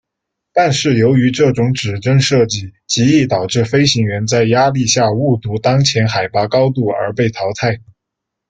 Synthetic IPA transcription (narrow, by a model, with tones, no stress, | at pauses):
t̪a˥˧nʂɻ̩˥˩jo˧˥ʊy˧˥ʈ͡ʂɤ˥˩ʈ͡ʂʊ˧˥ŋʈ͡ʂɻ̩˨˩ʈ͡ʂə˥ŋʂɤ˥˧t͡ɕi˥˩t͡ɕi˧˥i˥˩t̪ɑ˨˩ʊʈ͡ʂɻ̩˥˩fe˥ɪɕi˧˥ŋɥɛ˧˥nt͡sa˥˩ɪja˥li˥˧ɕja˥˧u˥˩t̪u˧˥t̪ɑ˥ŋt͡ɕʰjɛ˧˥nxa˨˩ɪpa˧˥kɑ˥ʊt̪u˥˩ə̰˞˧˥pe˥˩ɪt̪ʰɑ˧˥ʊt̪ʰa˥˩ɪ